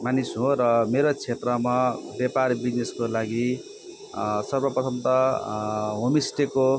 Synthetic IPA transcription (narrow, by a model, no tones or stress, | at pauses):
manisɦõɾʌmeɾot͡sʰet̪rʌmabjaparbid͡zneskolaɡi | sʌrbʌpʌt̪ʰʌmt̪ʌ | ɦomisʈeko